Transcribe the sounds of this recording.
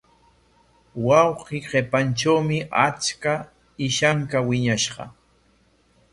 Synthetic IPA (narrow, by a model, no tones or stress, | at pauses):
wɑwqiːɢepanʈ͡ʂawmɪʔat͡ʃka | ɪʃaŋkawɪɲaʃɢɑ̰